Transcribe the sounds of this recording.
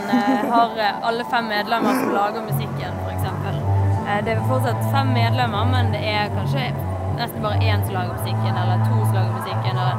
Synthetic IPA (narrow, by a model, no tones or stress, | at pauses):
ɦɑɾɑlːəfɛmːeːd̪lɛmːəɾsɔmlɑːɡəmʉsɪkːənfɔɾɛksɛmpəld̪ɛæfɔʁt̪sɑt̪fɛmːeːd̪lɛmːəɾmɛnd̪ɛæɾkʰɑnʃə | nɛst̪n̩bɑːɾəʔeːnsɔmlɑːɡəʁɾmʉsɪkːənɛlːəɾt̪ʰuːsɔlɑːɡəɾmʉsɪkːənɛlːə